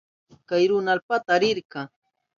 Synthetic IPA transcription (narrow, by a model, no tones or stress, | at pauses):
kajɾʊnalpat̪aːɾɪɾkɑ